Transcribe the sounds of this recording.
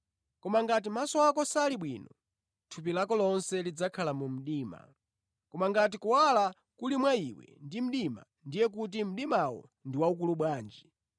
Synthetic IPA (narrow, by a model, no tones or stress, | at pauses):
kɔmaŋɡat̬imasɔakɔsaliɓwḭːnɔ̰ | tʰup̬ilakɔlɔnsɛlid͡zakʰalamum̩ɗiːma̰ | kɔmaŋɡat̬ikuwala | kulimwaiwɛ̰ndim̩ɗima̰ | ndijɛk̬ut̬im̩ɗimawɔ̰ | ndiwauk̬uluɓwaːnd͡ʒi